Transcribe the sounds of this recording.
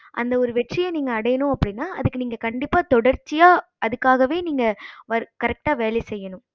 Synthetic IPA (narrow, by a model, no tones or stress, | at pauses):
ʔɐ̰nd̪ɐɔɾɯʋɛʈrɪjɐniːŋɡɐːɽɐjɐnʊ̃ɐpːɐɽɪnːaːʔɐðɯkːɯniːŋɡɐkɐɳɖɪpːaːt̪ɔɽɐɾt͡ʃːɪjaːʔɐðɯkːaːɣɐʋeːniːŋɡɐʋɐɾkɐɾɛk̚ʈaːʋeːlɛsɛjːɐnʊ̃m